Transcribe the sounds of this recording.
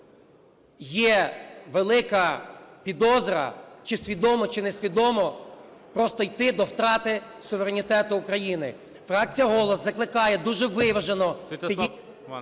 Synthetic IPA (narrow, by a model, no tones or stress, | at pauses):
jɛʋelˠɪkɐpʲid̪ɔzɾɐ̰t͡ʃɪsʲʋʲid̪ɔmɔt͡ʃɪnesʲʋʲid̪ɔmɔpɾɔst̪ɔjt̪ɪd̪ɔwt̪ɾɑt̪ɪ | sʊʋeɾenʲit̪ɛt̪ʊːkɾɐjinɪ | fɾɑk̚t͡sʲijɐɦɔlˠɔszɐklˠɪkɑjɛd̪uʒɛʋɪʋɐʒenɔ